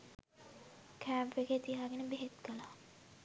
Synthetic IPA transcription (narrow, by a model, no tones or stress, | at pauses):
kʰæːmpʋeɡeːt̪ijaːɡenəbeɦet̪kəlaː